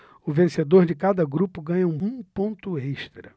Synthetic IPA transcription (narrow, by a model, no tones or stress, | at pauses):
ʊvẽsed̪oɾd͡ʒɪkad̪ɐɡɾupʊɡɐ̃ɲɐũũpõnt̪ʊeʃt̪ɾɐ